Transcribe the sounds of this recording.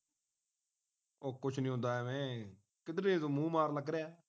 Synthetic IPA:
oːkʊt͡ʃʰnĩːɦʊ̃nd̪aːɛːmɛ̃ː | kɪd̪ɾẽzoːmũːmaːɾləɡɾejaː

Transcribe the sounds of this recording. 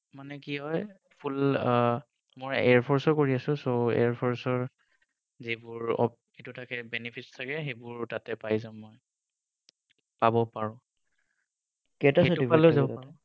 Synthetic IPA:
manɛkiɦɔj | pʰul | mɔɹɛ̰ɹpʰɔɹsɔkoɹiasʊ̃soḛɹpʰɔɹsɔɹ | zibʊɹɔ̰ | etutʰakɛbɛnipʰitstʰakɛxebʊɹtatɛpajzamːɔj | pabɔpaɹɔ̃ | kɛtasɔʊdialozabɔpaɔ

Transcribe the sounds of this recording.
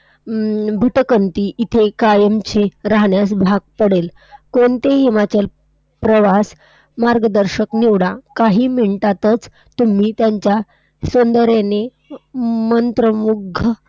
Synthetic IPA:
bʱiʈ̪əkənt̪iːʔit̪ʰekajəmt͡ɕeɾaɦɳjasbʱaɡ̚pəɽel | koɳt̪eɦemat͡ɕel | pɾəʋas | maɾɡəd̪əɾɕəkniʋɽakaɦiːmeɳʈ̪at̪ət͡s | t̪um̤iːt̪jaɲt͡ɕja | sond̪əɾene | mənt̪ɾəmuɡʱə

